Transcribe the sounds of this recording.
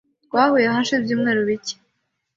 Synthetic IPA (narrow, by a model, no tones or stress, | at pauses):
waːhujeɦanʃibjuːmŋeːɾuβice̥